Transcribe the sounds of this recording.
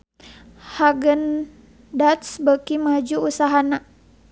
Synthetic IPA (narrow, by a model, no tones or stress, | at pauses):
haɡən | dat̪sbəkimad͡ʒuusaɦana